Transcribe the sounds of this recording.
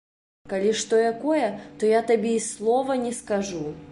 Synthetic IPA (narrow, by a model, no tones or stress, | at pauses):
kɐlʲiʂt̪ojɐkojət̪ojat̪ɐbʲeislˠovɐnʲɛskɐʐu